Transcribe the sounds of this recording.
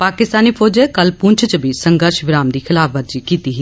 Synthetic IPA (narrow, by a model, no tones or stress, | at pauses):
paːkɪst̪aːniːpʰoːd͡ʒekəlpʊɲt͡ʃʰt͡ʃbʱisəŋɡəɾʃʋɪɾaːmd̪iːxʰɪlaːpʰʋəɾd͡ʒiːkiːt̪iɦiː